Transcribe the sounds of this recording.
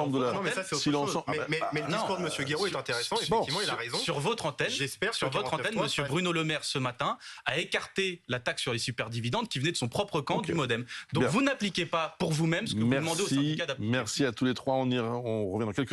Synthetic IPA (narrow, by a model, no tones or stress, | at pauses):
bd̪əlamɛsasɛosil̃ʃõmmɛmɛlənĩuʁd̪əməsjøɡeʁoɛt̪ɛ̃t̪eʁesɑ̃efbɛ̃imɑ̃ilaʁez̃syʁvɔt̪χɑ̃t̪ɛnʒɛspɛʁsyʁvɔt̪χɑ̃t̪ɛnməsjøbʁynoləmɛʁsəmat̪ɛ̃aekaʁt̪elat̪aksyʁlesypɛʁd̪ivid̪ɑ̃d̪kʲivənɛd̪əsɔ̃pχɔpχəkɑ̃d̪ymɔd̪ɛmd̪ɔ̃kvunaplikʲepapuʁvumɛmsəkəvmuɛd̪əmɑ̃d̪eossɛ̃d̪ikad̪amɛʁsiat̪ulet̪χwaɔ̃niɔ̃ʁəvjɛ̃d̪ɑ̃kʲɛlk